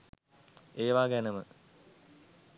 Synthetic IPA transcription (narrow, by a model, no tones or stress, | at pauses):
eːʋaːɡɛnəmə